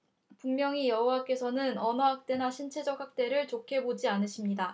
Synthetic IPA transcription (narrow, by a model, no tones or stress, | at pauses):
puŋmjʌŋijʌɦuwak͈e̞sʰʌnɯnʌnʌɦak̚t͈e̞naɕʰint͡ɕʰe̞d͡ʑʌk̚hak̚t͈e̞ɾɯɭt͡ɕokʰe̞bod͡ʑianɯɕʰimɲida